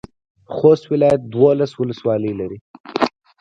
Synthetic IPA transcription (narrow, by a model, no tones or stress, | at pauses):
xost̪wɪlɑjat̪̚d̪wolaswʊləswɑləjlaɾi